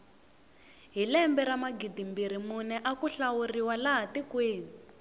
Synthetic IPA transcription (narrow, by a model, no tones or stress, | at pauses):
ɦilɛmbɛɾamaɡidimbiɾ̤imunɛʔakuɬawuriwalaɦatikweːni